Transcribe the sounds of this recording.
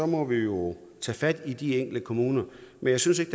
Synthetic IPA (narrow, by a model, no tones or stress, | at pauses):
ɒ̽mɒ̽ʋijo̝t͡sʰɛ̰ːfæd̥id̥ieŋ̰ɡ̥l̩d̥əkʰo̝muːnɐmʔenjɑ̈ɪsyns̬e̝ɡ̥əd̥